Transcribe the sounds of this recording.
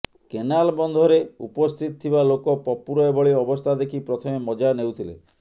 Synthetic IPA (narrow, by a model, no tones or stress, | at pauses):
kenalbɔnd̪ʱɔɾeṵpɔst̪ʰit̪ɔt̪ʰibalokɔpɔpuɾɔebɔɭiɔbɔst̪ʰad̪ekʰipɾɔt̪ʰɔmemɔd͡ʒanewt̪ʰilḛ